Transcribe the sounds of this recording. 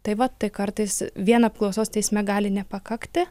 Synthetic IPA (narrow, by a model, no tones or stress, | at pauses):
t̪ɐɪʋɐt̪ɐɪkɐɾt̪ɐɪsʋʲiɛnɐːp̚klˠɒʊsoːst̪ʲɛɪsʲmʲɛɡɑːlʲɪnʲɛpɐkɐkt̪ʲɪ